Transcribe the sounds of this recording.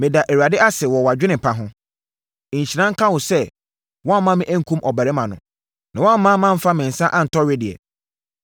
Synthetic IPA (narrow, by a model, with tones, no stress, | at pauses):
mɪ̃˨da˨ʔe˨wa˨dɪ˦ʔa˦sɛ˨wɔ˨wa˨d͡ʑᶣɪ˦nɪ̃˨pʰã˦ɦʊ̃˦˨ | ɲ̩˨ɕi˨nã˦ŋ̩˦kʰã˦wʊ̃˨sɛ˦ | wɔ̃˦mã˦mɪ̃˦ʔæ̃˦ŋ̩˦kʰũ˦mʔɔ˨bæ˨ɾɪ˦mã˨nʊ̰̃˨ | nã˨wɔ̃˦m̩˦mã˦mã˦m̩˦fa˦mɪ̃˨n̩˨sã˦ʔã˦n̩˨tʰɔ˦ɥe˦dɪ˨ɛ̰˨